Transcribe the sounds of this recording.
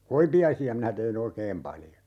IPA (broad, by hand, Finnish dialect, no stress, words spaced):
koipiɑisiɑ minæ teh̆in oikeːm pɑljo